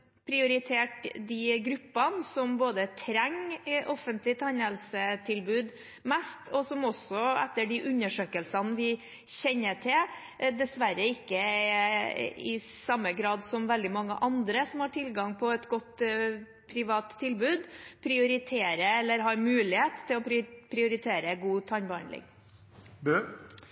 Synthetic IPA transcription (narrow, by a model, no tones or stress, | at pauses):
pʰɾɪʊɾɪt̪ʰeːʈd̪ɪɡɾʉpːɑnsɔmboːd̪ət̪ʰɾɛŋʔɔfənt̪lɪt̪ʰæɲəlsət̪ʰɪlbʉːd̪ | mɛst̪ʰɔsɔmɔsɔɛ̰t̪ːəɖɪʔʉnːəʂøːkəlsɑnʋɪ | ɕɛnːəʈʰɪl | d̪ɛsʋæɾəɪkːəɛ | ɪsɑmːəɡɾɑːd̪sɔmʋɛld̪ɪmɑŋːə̰ʔɑnd̪ɾəsɔmhɑːʈʰɪlɡɑŋpʰɔɛt̪ɡɔt̪ː | pʰɾɪʋɑːt̪ʰːɪlbʉːd̪pʰɾɪʊɾɪt̪ʰeːɾəɛlːəɾɦɑːɾmʉːlɪheːt̪ʰːɪlɔpʰɾɪʊɾɪt̪ʰeːɾəɡuːt̪ʰɑɲbɑɳlɪ̰ŋ | bøː